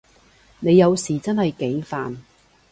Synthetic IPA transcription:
ne˨˧jːɐ˨˧wsiː˨˩t͡sɐ˥nhɐ˨jke˨˥ŋfaː˨n

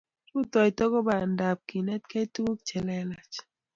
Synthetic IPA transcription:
ɾu˦tɔ˨jtɔ˦ɡɔ˦ba˨nda˨p̚ki˨nɛ˦t̚ka˦i˦tu˦u˦k̚t͡ʃɛ˨lɛ˦la˨t͡ʃ

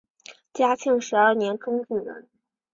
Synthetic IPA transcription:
t͡ɕja˥t͡ɕʰi˥˩ŋʂɻ̩˧˥ə˞˥˩njɛ˧˥nʈ͡ʂʊ˥ŋt͡su˥˩ɻə̰˧˥˦n

